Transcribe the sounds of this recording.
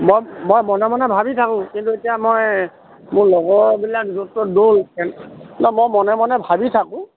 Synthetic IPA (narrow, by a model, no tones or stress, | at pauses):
mojmojmɔnɛmɔnɛbʱabitʰakʊ̃kintuetijamoj | mʊɹlɔɡɔɹbilakzutɔdolkɛnnɔmojmɔnɛmɔnɛbʱabitʰakʊ̃